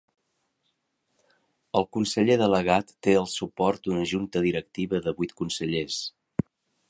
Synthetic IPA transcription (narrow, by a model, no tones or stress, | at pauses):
əlˠkunsəʎeðələɣ̞at̪ːeəlˠsupɔrt̪̚d̪unəʒunt̪əðiɾək̚t̪iβəðəβujt̪̚kunsəʎes